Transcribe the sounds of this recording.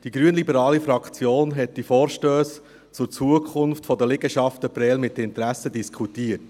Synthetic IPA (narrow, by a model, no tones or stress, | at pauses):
d̥iɡɾyənlibəɾɑːlifɾɑkt͡sjoːnɦɛtːifɔːɾʃtøːs | t͡sʊɾt͡suəkχʊnftfɔdəlɪɡəʃɑftəpɾɛːlmɪtːəɪntɾæsədiskʰχutiət